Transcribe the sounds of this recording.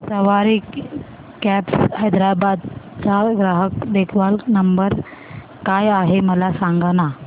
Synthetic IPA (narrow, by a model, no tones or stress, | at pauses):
səʋaɾiːk | kæpshəjd̪ɾabad̪̚t͡saɡɾaɦəkd̪ekʰʋalnəmbəɾ | kajaɦeməlasaŋɡana